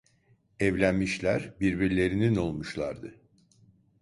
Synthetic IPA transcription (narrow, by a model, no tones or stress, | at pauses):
ɛvlʲænmiʃlʲæɾbiɾbiɾlʲe̞ɾinino̞lˠmuʃlˠa̰ɾd̪ɯ